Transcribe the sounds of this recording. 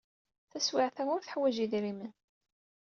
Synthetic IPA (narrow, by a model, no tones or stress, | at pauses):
θæswɪʕθæʊɾθħwæʒiðɾimən